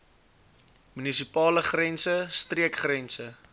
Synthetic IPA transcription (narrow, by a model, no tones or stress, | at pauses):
mynisipɑːləχrɛnsəst̪riəkχrɛnsə